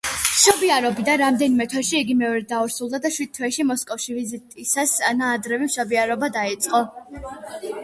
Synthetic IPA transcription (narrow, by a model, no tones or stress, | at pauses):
mʃɔbiaɾɔbid̪anɾamd̪ɛnimɛt̪ʰwɛʃiiɡimɛɔɾɛt̪̚d̪auɾsulˠd̪ad̪aʃwid̪̥̚t̪ʰwɛʃimɔskʼɔfʃivizit̪ʼisasanaːd̪ɾɛvimʃɔbiaɾɔbad̪ait̪sʼqʼɔ